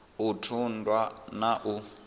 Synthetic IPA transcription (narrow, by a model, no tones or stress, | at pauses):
utʰundwanaʔu